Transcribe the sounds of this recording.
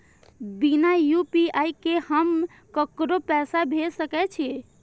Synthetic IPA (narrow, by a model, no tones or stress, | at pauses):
binajupiajkehəm | kəkɾopɛsabʱesəkɛt͡ʃʰi